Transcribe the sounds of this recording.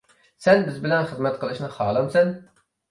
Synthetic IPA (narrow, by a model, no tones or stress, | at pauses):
sɛnbɪzbɪlɛnχəzmɛt̪̚qʰəlˠɨʃnɨχɑːlˠɑmsɛn